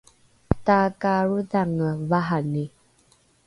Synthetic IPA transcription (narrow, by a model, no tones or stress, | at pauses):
takaɾuðaŋəvaɦane